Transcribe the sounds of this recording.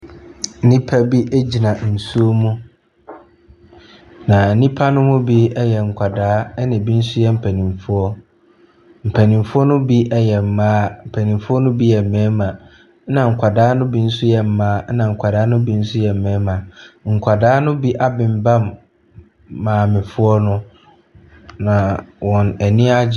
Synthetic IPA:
nĩ˦pʰa˦bi˦ʔe˦d͡ʑi˨nã˨n̩˨su˦o˦mũ˦ | nã˨n̩˦nĩ˦pʰa˦nʊ̃˦mʊ̃˦bi˦ɛ˦jɛ˨ŋ̩˨kʷʰa˨daː˦nɪ̃˨bi˦n̩˦sʊ˦jɛ˦m̩˨pʰæ˨nĩ˨mfʊ˦ɔ˦ | m̩˨pʰæ˨nĩ˨mfʊ˦ɔ˦nʊ̃˦bi˦ʔɛ˦jɛ˨m̩˨mãː˦m̩˨pʰæ˨nĩ˨mfʊ˦ɔ˦nʊ̃˦bi˦jɛ˨m̩˨mɛ̃ː˨˦mã˨˦ | nã˨ŋ̩˨kʷʰa˨daː˨˦nʊ̃˦bi˦n̩˦sʊ˦jɛ˨m̩˨˦mãː˦nã˨ŋ̩˨kʰʷa˨daː˦nʊ̃˦bi˦n̩˦sʊ˦jɛ˨m̩˨mɛ̃ː˨˦mã˨ŋ̩˨kʷʰa˨daː˦nʊ̃˦bi˦ʔa˦bɪ̃˨m˦bã˦m | ãː˨mɪ̃˨fʊ˦ɔ˦nʊ̃˦ | nã˨wɔ̃˨næ˨nĩ˦a˦d͡ʑ

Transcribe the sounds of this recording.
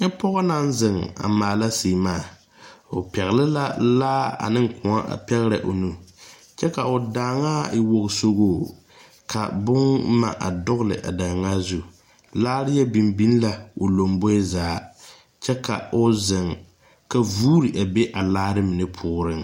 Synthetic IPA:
ɪ˦pɔ˦ɣɔ˦na˦n˦zɪ˨ŋa̰˨maː˨la˦siː˨maː˦˨ | o˨pɛ˨ɣɪ˨lɪ˦la˦laː˦a̰˨nɪ˦ŋkʊ˨a˦ʔa̰˨pɛ˦ɣɾɨ̰˨ʔo̰˨nu˦ | t͡ʃɛ˦ka˨ʊ˨daː˨ŋaː˦ɪ˨wo˨ɣso˦ɡoː˦˨ | kʰa̰˨bʊ˦ŋma̰˨ʔa̰˨dʊ˦ɣlɨ̰˨ʔa̰˨daː˨ŋa˦zu˦ | laː˦ɾɪ˦jɛ˦bi˨mbi˦n˦la˦o˨lo˨mbo˦ɪ˦zaː˨˦˨ | t͡ʃɛ˦ka˨ʊ˦zɪ˨ŋ | ka˨vuː˦ɾɨ˨ʔa˨be˦ʔa˨laː˦ɾɨ˦mɪ˨nɨ˦pʰʊː˦ɾɨ˦ŋ

